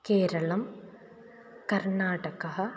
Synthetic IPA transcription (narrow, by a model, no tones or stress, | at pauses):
keːɾɐɭɐm | kɐɾnaːʈɐkɐɦɐ̆